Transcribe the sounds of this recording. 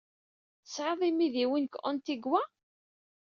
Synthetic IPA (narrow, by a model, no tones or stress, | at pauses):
sʕəðˤimiðiwinkʔʊ̰nt̪iɡwæ